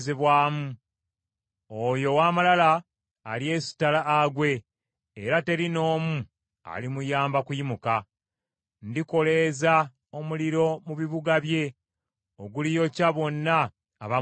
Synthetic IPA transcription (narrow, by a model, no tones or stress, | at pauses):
zeβwaːmu | ojo̞waːmalala̰ː | lie̞si̥talaːɡwe̞ː | ɾate̞ɾino̞ːmu | a̰limujaːmbakujimuka | ndiko̞le̞za | o̞muliɾo̞muβiβuɡaβje̞ | oɡulijo̞caβo̞nːaː | βa